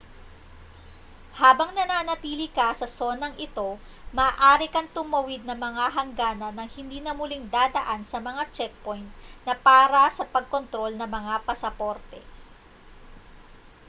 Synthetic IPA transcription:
haːbɐŋnɐnaːnɐt̪iːlɪkɐsɐso̞nɐŋʔɪt̪o̞ | mɐːʔaːɾɪkɐŋt̪ʊmɐwɪd̪̚nɐmɐŋaɦɐŋɡaːnɐnɐŋhɪnd̪iːnɐmʊliŋd̪aːd̪ɐʔansɐmɐŋat͡ʃɛk̚pojnt̪̚nɐpaːɾɐsɐpɐɡ̚ko̞nt̪ɾo̞lnɐŋmɐŋapɐsɐpoɾt̪ɛ

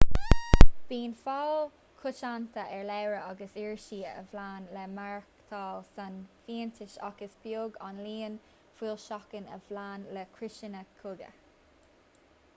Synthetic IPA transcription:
b̥iːnfal | kʰʊt͡ʃant̪ʰəʔɛɹlɛwɹəɑɡəsiɹʃiːə̰vlaːnlɛmaɹkt̪ʰɑːlsanfiːənt̪ɪʃa̰kəsbjoːɡɑnliːən | fwiːlʃɑkənə̰vlaːnlɛkʰɹɪʃɪnəkʰʊɡə̰

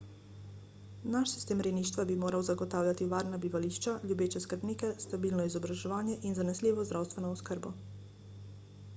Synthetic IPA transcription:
naʃsi̥st̪eːmɾɛniːʃt̪ʋabimoːɾawzaɡɔt̪aːwlʲjat̪iʋaːɾnabiʋaliʃt͡ʃaljubeːt͡ʃɛskəɾbniːkɛst̪abiːlnɔizɔbɾaʒɛʋaːnjɛʔinzanɛsliːʋɔzd̪ɾaːwst̪ʋɛnɔːskəɾbɔ

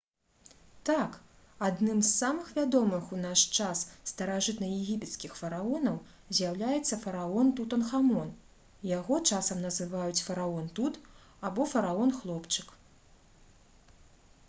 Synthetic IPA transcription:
t̪ak | ad̪nɨmzːamɨxvʲad̪ɔmɨxunaʂt͡ʂasːt̪ɐɾaʐɨt̪nɐjɛɣʲipʲɛt̪skʲixfɐɾaɔnɐw | zʲjawlʲajɛt̪sːɐfɐɾaɔnt̪ut̪ɐnxamɔn | jaɣɔt͡ʂasɐmnɐzɨvajut͡sʲfɐɾaɔnt̪ut̪ | abɔfɐɾaɔnxlˠɔpt͡ʂɨk

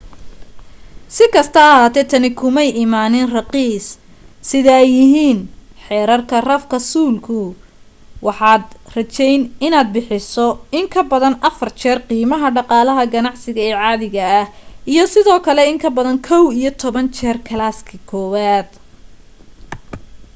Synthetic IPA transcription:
sɪkʰɐst̪ʰɐːɦaːt̪ʰɛːt̪ʰɐnɪkʰʊmɛjɪmaːnɪnrɑqiːs | sɪðɐɛjːɪɦiːnħɛːɾɐrkʰɐrɐfkʰɐsuːlkʰʊ | wɑħɑːd̪rɐt͡ʃɛjnɪnaːd̪̚bɪħɪsɔɪŋkʰɐbɐðɐnɐfɐrt͡ʃʰɛːrqiːmɐɦɐɖɑqɑːlɐɦɐɡɐnɑʕsɪɣɐɛːʕɑːðɪɣɐːhʔijɞsɪðɔːkʰɐlɛɪŋkʰɐbɐðɐnkʰɔwijɞt̪ʰɔβɐnt͡ʃʰɛːrkʰɐlaːskʰɐkʰɔːwaːd̪̥

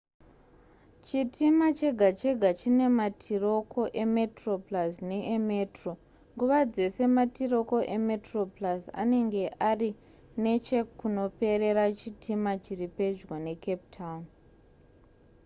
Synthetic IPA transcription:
t͡ʃitʰimat͡ʃe̞ɡʱat͡ʃe̞ɡʱat͡ʃine̞matʰiro̞kʰo̞ʔeme̞tro̞plasneʔeme̞tro̞ | ŋɡuʋad͡ze̞se̞matiro̞ko̞ʔe̞me̞tro̞plasa̰ne̞ŋɡe̞ʔari | ne̞t͡ʃe̞kuno̞pe̞ɾe̞ɾat͡ʃitʰimat͡ʃiripe̞d͡ʒwane̞kep̚tʰaun

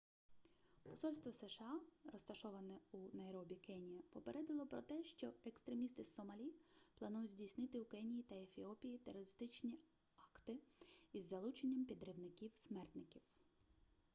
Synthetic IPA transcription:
pɔsɔlʲst̪ʋɔsɛʃɑɾɔst̪ɐʃɔʋɐnɛunɐɛɾɔbʲikɛnʲijɐpɔpeɾʔɛd̪ɪlˠɔpɾɔt̪ɛʃt͡ʃɔekst̪ɾe̞mʲist̪ɪsɔmɐlʲiplˠɐnujʊtʲzʲdʲijsʲnɪt̪ɪukɛnʲijit̪ɐefʲiɔpʲijit̪eɾɔɾɪst̪ɪt͡ʃnʲi | ɑkt̪ɪizːɐlˠut͡ʃenʲːɐmpʲid̪ɾɪwnɪkʲiwsʲmɛrt̪nɪkʲiw

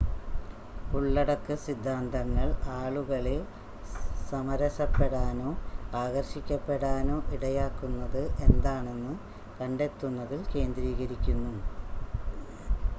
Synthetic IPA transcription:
uɭːɐɽɐkːɨsid̪ʱːaːnd̪ɐŋːɐɭaːɭuɣɐɭil | sɐmɐɾɐsɐpːe̞ɽaːno̞ːaːɣɐrɕikʲːɐpːe̞ɽaːno̞ːʔiɽɐjaːkːunːɐðɨʔe̞nd̪aːɳe̞nːɨ | kɐɳɖe̞t̪ːunːɐðilke̞ːnd̪ɾiːɣɐɾikʲːunːu

